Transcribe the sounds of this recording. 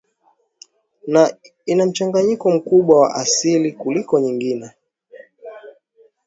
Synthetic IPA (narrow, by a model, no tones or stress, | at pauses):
na | inam̩t͡ʃaŋɡaɲikɔm̩kuɓwawa̰ʔasilikulikɔɲiŋɡinɛ